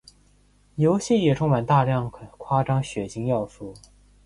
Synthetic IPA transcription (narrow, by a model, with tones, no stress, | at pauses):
jo˧˥ʊɕi˥˩jɛ˨˩ʈ͡ʂʰʊ˥ŋma˨˩nt̪a˥˧ljɑ˥˩ŋ˩kʰwa˥ʈ͡ʂɑ˥ŋɕɥɛ˨˩t͡ɕʰi˧˥ŋjɑ˥˧ʊsu˥˩